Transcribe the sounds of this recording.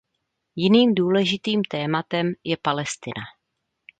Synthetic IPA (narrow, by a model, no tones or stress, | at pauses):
jɪniːmduːlɛʒɪt̪iːmt̪ɛːmat̪ɛmjɛpalɛst̪ɪna